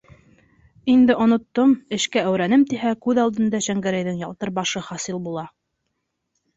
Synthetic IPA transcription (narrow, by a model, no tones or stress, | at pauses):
ind̪ɘʔŏnŏt̪ːomɘ̆ʃkææwɾænɘmt̪iɦækʉðɑlˠd̪ɤ̆nd̪ɑɕæŋɡæɾæjðɘŋjɑlˠt̪ɤɾbɑʃɤχɑsilˠbulˠɑ